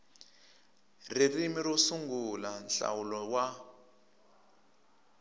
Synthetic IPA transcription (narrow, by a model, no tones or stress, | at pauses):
ririmiɾosuŋɡulanɬa̰wulɔwa